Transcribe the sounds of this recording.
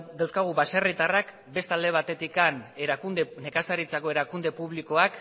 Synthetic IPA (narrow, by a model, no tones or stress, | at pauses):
d̪awskaɣ̞uβaserit̪arak | be̞st̪ald̪e̞β̞at̪e̞t̪ikan | ne̞kasaɾit͡sako̞e̞ɾakund̪e̞puβliko̞ak